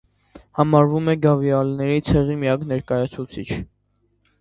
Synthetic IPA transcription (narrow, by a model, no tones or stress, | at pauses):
hɑmɑɾvumɛɡɑvjɑlnɛɾit͡sʰɛʁimijɑknɛɾkɑjɑt͡sʰut͡sʰit͡ʃʰ